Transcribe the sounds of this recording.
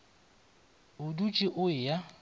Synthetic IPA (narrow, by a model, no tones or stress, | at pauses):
ʊdut͡ʃʼɪʔʊɪja